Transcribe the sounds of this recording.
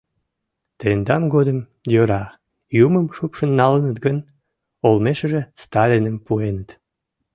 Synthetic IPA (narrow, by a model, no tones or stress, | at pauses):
t̪end̪ɑmɡod̪əm | jøɾɑ | juməmʃupʃənːɑlənət̪ɡən | olmeʃəʒest̪ɑlʲinəmpuenət̪